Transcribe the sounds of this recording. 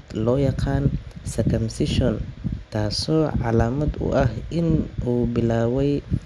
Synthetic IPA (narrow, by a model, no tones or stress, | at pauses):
d̪lɔːjɑqɑːnsɐrkʰɐmsɪʃɔnt̪ʰaːsɔːʕɑ̰laːmɐd̪ʊ̰ʔɐhʔɪnʔuːbɪlaːwɛj